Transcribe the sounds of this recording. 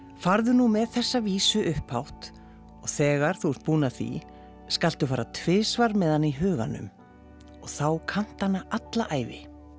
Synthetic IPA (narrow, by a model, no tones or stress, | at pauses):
faɾðʏnumɛðθɛsːaviːsʏʔʏhphawht̪ | ɔɣθɛːɣaɾ̥θuɛɾ̥t̪̚puːnaθḭ | skal̥t̪ʏfaːɾat̪ʰveːsvaɾmɛðhanːiɦœːɣa̰nʏ̰m | ɔɣθawkʰan̥t̪hanːaʔat̪laʔaːjvɪ